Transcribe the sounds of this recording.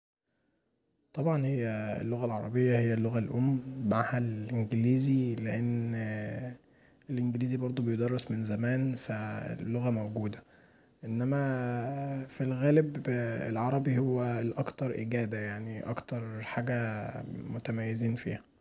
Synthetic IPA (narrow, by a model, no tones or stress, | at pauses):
t̪ˤɑbʕɑnhejːæḛlːoɣælʕɑɾˤɑ̰bejːɑhejːælːoɣælʔomːmaʕhælʔenɡeliːzileʔenː | elʔenɡliːzibɑɾˤd̪ˤobejod̪ɑrˤːesmenzæmæːnfæ̰lːoɣæmæwɡuːd̪æ | ʔenːæmæ | filɣæːlebḛlʕɑɾˤɑbihowːælʔɑkt̪ɑɾˤʔɪɡæːd̪æjaʕniʔɑ̰kt̪ɑɾˤħaːɡæmot̪æmæjːeziːnfḭːhæ